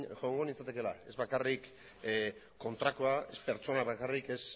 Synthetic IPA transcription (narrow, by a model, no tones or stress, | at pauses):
ʝoŋɡonit͡sat̪e̞ke̞lae̞zβakarikː | o̞nt̪ɾakoae̞spe̞ɾt͡so̞naβakarike̞s